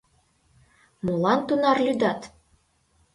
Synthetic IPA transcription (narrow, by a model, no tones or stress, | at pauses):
mulˠɑnt̪unɑrlʲyd̪ɑt̪